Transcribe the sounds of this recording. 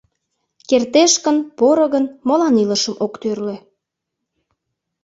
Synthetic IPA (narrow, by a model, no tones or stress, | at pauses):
kert̪eʃkənpoɾə̆ɣənmolɑniləʃəmʔokt̪ørle